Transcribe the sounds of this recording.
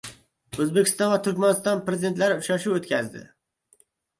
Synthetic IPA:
ɵzbekʲʰɪst̪ɑnvat̪ʰʊɾkʲmanɪst̪ɑnpɾezɪd̪e̞nt̪laɾɪʊʃaʃuot̪kʲʰazd̪ɪ̰

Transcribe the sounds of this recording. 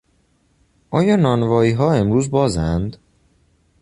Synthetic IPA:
ʔɒːjɒːnɒːnvɒːiːɦɒːe̞mɾuːzbɒːzænd̪

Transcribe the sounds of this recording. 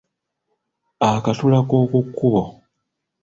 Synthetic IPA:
akatulakoːkukːuβo

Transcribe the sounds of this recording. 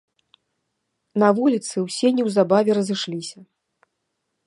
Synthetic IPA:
nɐvulʲit̪sɨwsʲɛnʲiwzabavʲɛɾɐzɨʂlʲisʲɐ

